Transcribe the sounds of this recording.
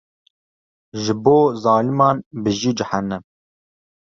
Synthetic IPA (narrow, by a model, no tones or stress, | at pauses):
ʒɨboːzɑːlimɑːnbɨʒid͡ʒɪhænːɛm